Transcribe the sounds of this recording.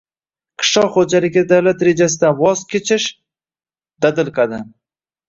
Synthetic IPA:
qʰɨ̥ʃɒwχod͡ʒalɪɡʲad̪awlat̪ɾe̞d͡ʒas̬ɪd̪anvɒzkʲet͡ʃʰɪʃ | d̪̥ad̪ɪlˠqʰɑd̪ɪ

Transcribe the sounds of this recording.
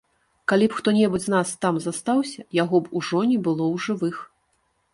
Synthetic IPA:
kalʲipxt̪ɔnʲɛbud͡zʲznast̪amzast̪awsʲɐjaɣɔbuʐɔnʲibɨlˠɔwʐɨvɨx

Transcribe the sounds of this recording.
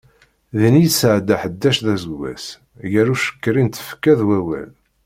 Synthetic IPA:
ðnijsəʕd̪æħəd̪ːæʃðæzəɡːæ̰s | jəɾuʃə̥kːɾint̪ə̥fkːæðwæwæ̰l

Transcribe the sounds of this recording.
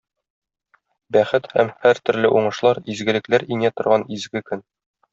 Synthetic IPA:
bæχɘt̪hæmhæɾt̪ɵ̆ɾlɘʔuɴɤ̆ʃlˠɑɾizɡɘ̆lɘ̆klæɾinæt̪ŏɾʁɑnizɡɘkɵn

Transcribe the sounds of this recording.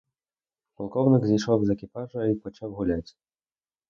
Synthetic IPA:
pɔlˠkɔwnɪɡzʲijʃɔwzɛkʲipaʐɐipɔt͡ʃawɣulʲat͡sʲ

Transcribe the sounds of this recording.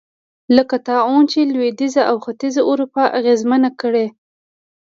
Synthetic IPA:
ləkat̪ɑont͡ʃelwed̪izaʔawxat̪izaʔʊɾupaʔaɣezmanakəɽe

